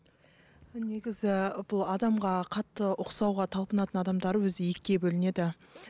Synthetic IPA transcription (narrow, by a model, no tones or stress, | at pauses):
ne̞ɡʲɪzɪbʊlˠɑd̪ɑmʁɑqʰɑt̪ːəʔʊqsɑwʁɑt̪ʰɑlˠpənɑt̪ənɑd̪ɑmd̪ɑɾəwɵzɪje̞kʲːe̞bɵlɪne̞d̪ɪ